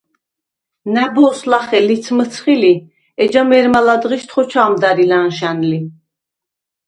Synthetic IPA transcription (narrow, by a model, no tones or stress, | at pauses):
næbɔːslaχɛlit̪sʰmət̪sʰχili | ɛd͡ʒamɛɾmalad̪ʁiʃt̪ʰχɔt͡ʃʰaːmd̪aɾilanʃanli